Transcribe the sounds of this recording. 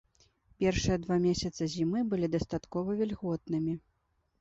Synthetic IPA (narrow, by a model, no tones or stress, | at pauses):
pʲɛrʂɨjɐd̪vamʲesʲɐt̪sɐzʲimɨbɨlʲid̪ɐst̪at̪kɔvɐvʲɛlʲɣɔt̪̚nɨmʲi